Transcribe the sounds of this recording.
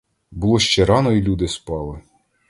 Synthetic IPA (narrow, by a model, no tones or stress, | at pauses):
bulˠɔʃt͡ʃɛɾɑnɔilʲud̪ɪspɑlˠɪ